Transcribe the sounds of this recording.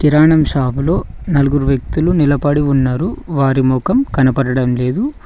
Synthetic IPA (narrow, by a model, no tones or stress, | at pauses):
kiɾaːɳɐmʃaːbulo̞ː | nɐluɡuɾuʋjɐk̚t̪ulunilɐpɐɽiunːaːɾuʋaːɾimɔːkɐmkɐnɐpɐɽɐɽɐmle̞ːd̪u